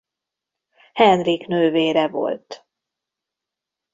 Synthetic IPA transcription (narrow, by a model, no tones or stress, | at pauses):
hɛnriknøːveːɾɛvo̰lt̪